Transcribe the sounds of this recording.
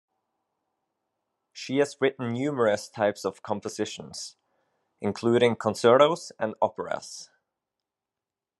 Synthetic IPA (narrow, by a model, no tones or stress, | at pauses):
ʃiəzɹɪʔn̩njʉːmə˞əstʰaɪpsəv̥kʰɔ̃mpəz̥ɪʃə̃nz̥ | ʔɪ̃nkʰl̥ˠʉːɾɪ̃ŋkʰə̃nsɜ˞ɾoz̥ə̃nɔpəɹə̰s